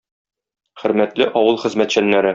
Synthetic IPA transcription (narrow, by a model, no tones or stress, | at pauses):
χɘ̆ɾmæt̪lɘʔɒwɤlˠχɘ̆zmæt̪ɕænːæɾɘ